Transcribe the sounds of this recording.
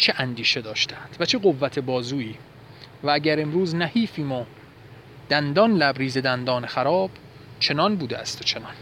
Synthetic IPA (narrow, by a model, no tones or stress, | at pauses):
t͡ʃʰeʔænd̪iːʃe̞d̪ɒːʃt̪æænd̪̥væt͡ʃʰe̞ɢo̞vːæt̪ʰe̞bɒːzuːiː | vææɟæɾe̞mɾuːznæhiːfiːmo | d̪̥ænd̪ɒnlæbɾiːze̞d̪ænd̪ɒːnexæɾɒːb̥ | t͡ʃʰe̞nɒːnbuːd̪eʔæst̪ʰot͡ʃʰe̞nɒn